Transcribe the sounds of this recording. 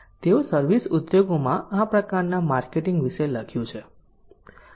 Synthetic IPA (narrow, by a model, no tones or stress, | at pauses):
t̪eosəɾʋisud̪joɡomãapɾəkaɾnamaɾkeʈɪ̃ŋɡʋiʃeləkʰjũt͡ʃʰe